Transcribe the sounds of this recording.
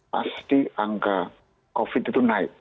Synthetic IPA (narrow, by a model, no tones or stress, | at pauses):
pa̰st̪iaŋka | kofit̪it̪unaɪʔ̚